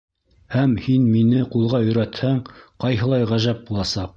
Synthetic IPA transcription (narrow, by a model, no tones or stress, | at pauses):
hæmhinminɘqulˠʁɑɵ̆jɾæt̪hæɴqɑjɦɤ̆lˠɑjʁæʒæp̚bulˠɑsɑq̚